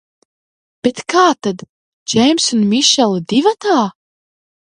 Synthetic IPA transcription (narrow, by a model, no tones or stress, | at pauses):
b̥et̪kaːt̪ad̪ | d͡ʒɛjmʲsunmʲiʃɛlˠd̪ivat̪aː